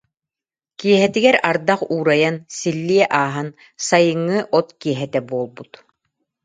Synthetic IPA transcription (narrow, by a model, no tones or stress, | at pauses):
kiɛɦɛt̪iɡɛɾaɾd̪aχuːɾajansilːiɛʔaːɦan | sajɯŋːɯʔɔt̪kiɛɦɛt̪ɛbuɔlˠbut̪